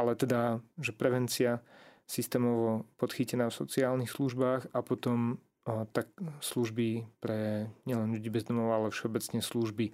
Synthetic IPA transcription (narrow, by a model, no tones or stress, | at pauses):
ʔalɛt̪ɛd̪aʒɛpɾɛʋɛnt͡siasist̪ɛːmɔʋɔpɔt̪xicɛnaːfsɔt͡siaːlnixsluʒbaːxapɔt̪ɔm | t̪aksluʒbipɾɛɲɪɛlɛnʎuɟiːbɛzd̪ɔmɔʊalɛfʃɛɔbɛt͡sɲɛsluʒbi